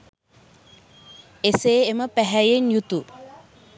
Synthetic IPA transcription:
eseːeməpæɦæjenjut̪u

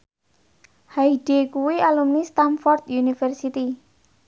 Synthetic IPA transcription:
haiɖ̥ekuwialumnist̪anfɔrt̪junifɛrsit̪i

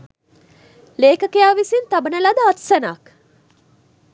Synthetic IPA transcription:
leːkɐkejaːʋisint̪ɐbɐnɐlɐd̪ɐɐt̪senaːk

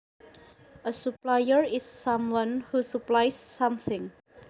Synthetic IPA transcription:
ʔəsuplajəɹɪsːãmwãnhusuplajsːãmθɪ̃ŋ

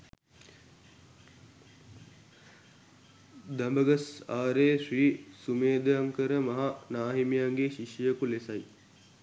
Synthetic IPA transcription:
d̪ɐmbəɡɐsaːɾeʂriːsumeːd̪əjaŋkəɾəmɐɦanaːɦimijaŋɡeʃiʃjəkulesɐj

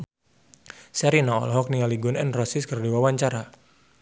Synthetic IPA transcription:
sɛɾinaɔ̰lɔɦɔk̚niŋaliɡunɛnrɔsɪskərdiwawaɲt͡ʃaɾa

